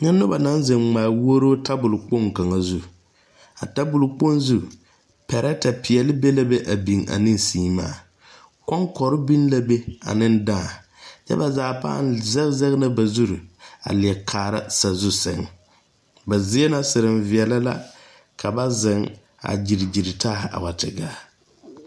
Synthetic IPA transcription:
ɲa˦nːʊ˦ba˨na˦nzɨ˨ŋŋ͡maː˨wo˦ɾo˦tʰa˦bʊ˨lk͡po˦ŋ˨ka˨ŋa˨zu˦ | a̰˨ta˦bʊ˨lk͡po˦nzu˦ | pɛ˨ɾa˦ta˨pi˨ɛ˨lɨ˦be˦la˦be˦ʔa˨bi˨ŋa̰˨nɨ˦nsiː˨˦ma̰ː˦˨ | kɔ˦ŋkɔ˨ɾɨ˦bi˦n˦la˦be˦a̰˨nɨ˦n˦daː˦˨ | t͡ʃɛ̰˦ba˨zaː˨˦˨pa̰ː˦nzɛ˦zɛ˦ɣnɨ˦ba˨zu˦ɾʊ˨a̰˨lɪ˨ɛ˨kʰaː˨ɾa̰˦sa˨zʊ˦sɪ˨ŋ | ba˨zɪ˦ɛ˦na˦sɨ˨ɾɨ˨mvɪ˨ɛ˨la˦la˦ | kʰa˨ba˦zɪ˨ŋ | a̰˨d͡ʒi˨ɾɪ˨d͡ʒi˨ɾɪ˨tʰaː˦ha̰˨wa˨tɪ˨ɡaː˦

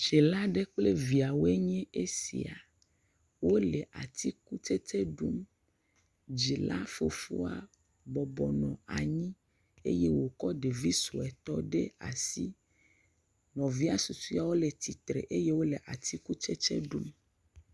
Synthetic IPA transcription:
ʃe˨la˦ɖe˦k͡ple˦vi˨a˨wo˦e˦ɲɛ̃˦e˦sḭ˨a˨ | wo˦le˨ʔa̰˨t̪ʰi˦ku˦t͡ʃe˦t̪e˦ɖu˦m | d͡ʒi˨la̰˦fo̰˨fṵ˦a˨ | bɔ˨bɔ˨nɔ̃˨a˨ɲĩ˦ | ḛ˦je˦wo˨kɔ˦ɖe˨vi˦so˨ɛ˨t̪ɔ˦ɖe˦a̰˨si˦ | nɔ̃˨vi˦a˦su˨su˦a˨wo˦le˨t̪i˨t̪ɾḛ˨ʔe˦je˦wo˦le˨ʔa˨t̪ʰi˦ku˦t͡ʃe˦t͡ʃḛ˦ɖu˦m

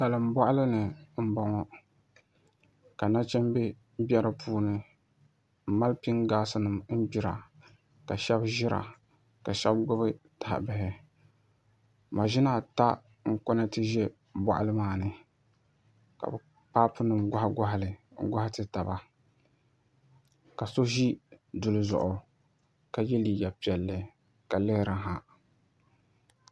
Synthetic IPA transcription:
sa˨lɨ˨m˦bɔ˦ʔa˦lɨ˦nɨ˨m̩˦bɔ˨ŋɔ˨ | ka˨na˦t͡ʃɛ˦m˦be˦ | bjɛ˦ɾɨ˦pʰuː˦nɨ˦˨ | ma˦lpi˦ŋɡaː˦sɨ˦nɨ˨mm̩˦bi˨ɾa̰˨ | ka˨ʃɛ˦bʒɪ˦ɾʔa̰˨ | ka˨ʃɛ˦bɡʊ˦bɨ˦ta˨ha̰˨bɪ˨ɦɪ˨ | ma˨ʒi˦na˨ta˦ | ŋ̩˦kɔ˦na˦tɨ˦ʒɛ˦ | ba̰˦˨ʔa̰˦lɨ˦maː˨nɨ˨ | ka̰˨bɛ˨ | pa˦pɨ˦nɨ˨mɡʊ˦ha˦ɡʊ˦ɦa˨lɨ˨ŋ̩˦ɡa˦ha˦tɨ˦ta˨ba˦ | ka˨so˦ʒi˦du˨lɨ˨zʊ̰˨ʔʊ˨ | ka˨jɛ˦li˨ja˨pi˨ɛ˨lːɨ˨ | ka˨lɛ˦hɾa˨ɦa˨

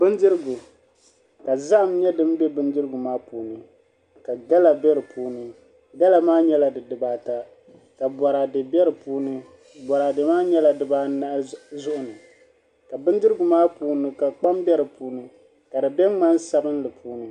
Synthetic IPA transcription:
bɨ˦ndɨ˦ɾɨ˦ɡʊ˨ | ka˨za˦ʔmɲɛ˦dɨ˦m˦bɛ˦bɨ˦ndɨ˦ɾɨ˦ɡʊ˨maː˦puː˨nɨ˨ | ka˨ɡa˦la˨bɛ˦ɾɨ˨pʰuː˦nɨ˦ | ɡa˦la˨maː˦ɲɛ˦la˨dɨ˨dɨ˨baː˦ta˦ | ka˨bɔ˨ɾa˨dɨ˨bɛ˦ɾɨ˨puː˦nɨ˦ | bɔ˨ɾa˨dɨ˨maː˦ɲɛ˦la˨dɨ˨baː˦na˦zʊ˦ʔʊ˨nɨ˨ | ka˨bɨ˦ndɨ˦ɾɨ˦ɡʊ˨maː˦puː˦nɨ˨ka˨k͡pa˦mbɛ˦ɾɨ˨puː˦nɨ˦ | ka˨dɨ˨bɛ˦ŋ͡ma˦nsa˦bɨ˦n˦lɨ˨pʰuː˦nɨ˨

